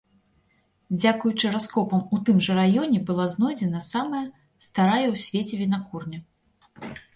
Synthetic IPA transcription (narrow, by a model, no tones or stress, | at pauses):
d͡zʲakujut͡ʂɨɾaskɔpɐmut̪ɨmʐɐɾajɔnʲɛbɨlˠaznɔjd͡zʲɛnɐsamɐjɐ | st̪aɾajɐwsʲvʲet͡sʲɛvʲinakurnʲɐ